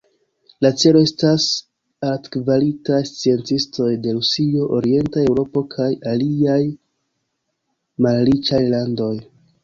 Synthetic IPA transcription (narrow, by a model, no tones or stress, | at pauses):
lat͡se̞lo̞e̞stas | atkvalitajst͡sie̞nt͡sisto̞jde̞ɾusio̞ʔoɾie̞ntae̞wɾo̞po̞kʰajaliaj | malɾit͡ʃajlando̞j